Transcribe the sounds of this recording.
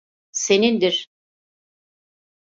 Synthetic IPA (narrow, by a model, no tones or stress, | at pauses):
se̞nind̪iɾ̥